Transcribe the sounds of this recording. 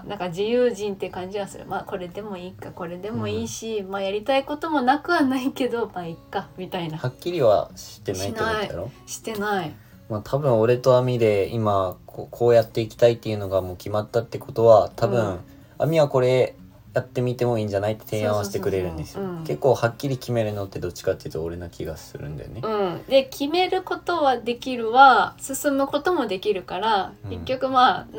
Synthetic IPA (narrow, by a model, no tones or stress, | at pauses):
nãŋkad͡ʑijɯːʑĩnt̪eɯkãɲ̟d͡ʑiβasɨ̰ɾɯ̰mako̞ɾe̞d̪e̞mo̞iːkako̞ɾe̞d̪e̞mo̞iːɕimaːjaɾʲit̪aikot̪o̞mo̞nakɯ̟βanaike̞d̪o̞maikːamʲit̪ainahakʲːiɾʲiβa̰ɕi̥t̪ːe̞naitnoaid̪a̰ɾo̞ɕi̥t̪e̞nai | maːt̪ʰabɯ̟̃ɰ̃o̞ɾe̞t̪o̞amʲid̪e̞imakʰokʰo̞ːjat̪ːe̞ikʲi̥t̪ait̪ːejɯ̟no̞ɡamo̞ːkʲimat̪ːat̪ːeko̞t̪o̞βat̪ʰabɯ̟̃ɰ | a̰mʲiβako̞ɾe̞ | jat̪ːe̞mʲit̪e̞mo̞ĩːɲ̟d͡ʑanait̪ːe̞̥t̪ʰẽ̞ãasi̥t̪ekɯ̟ɾe̞ɾɯ̟̃nd̪e̞sɨjɯ̃ke̞kːo̞ːhakʲːiɾʲikʲime̞ɾɯ̟not̪ːe̞d̪o̞t͡ɕːi̥kat̪ːeɯ̟t̪oːɾe̞nakʲiɡasɨ̰ɾɯ̟̃nd̪esneɯ̟̃ɴd̪e̞kʲime̞ɾɯ̟ko̞t̪o̞βad̪e̞kʲiɾɯ̟βasɨsɨmɯ̟ko̞t̪o̞mo̞d̪e̞kʲiɾɯ̟kaɾake̞kʲːo̞kɯ̟ma